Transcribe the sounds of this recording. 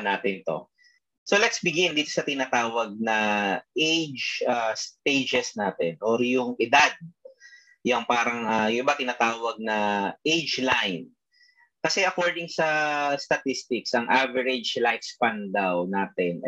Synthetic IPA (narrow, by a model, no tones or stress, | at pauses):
naːt̪ɪnt̪o̞̰ | so̞lɛt̪sbɪɡjɪnd̪iːt̪osɐt̪ɪnat̪aːwɐɡ̚nɐʔejd͡ʒast̪ejd͡ʒɛsnaːt̪ɛnʔoɾjʊŋʔɪd̪ad̪̚ | jʊŋpaːɾɐŋʔajʊnbat̪ɪnaːt̪aːwɐɡ̚nɐʔejd͡ʒlajn | kɐsɛʔɐkoɹd̪ɪŋsɐst̪ɐt̪ɪst̪ɪksɐŋʔavɛɹɛd͡ʒlajfspand̪awnaːt̪ɛn